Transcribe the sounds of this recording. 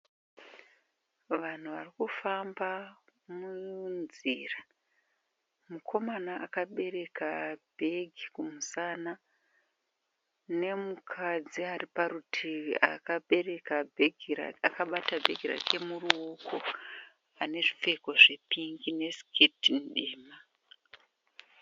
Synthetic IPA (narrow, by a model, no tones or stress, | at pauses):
ʋan̤uʋarikufambamunzḭra | mukʰo̞manaʔakaɓe̞re̞kabʱe̞ɡʱikumusaːna | ne̞mukʰad͡ziaripaɾutʰia̰kaɓe̞re̞kabʱeɡʱira̰akaɓatabʱe̞ɡʱira̰kʰe̞muruukʰo̞ | ane̞ʐife̞ko̞ʐepiŋɡine̞skʰitinɗiːma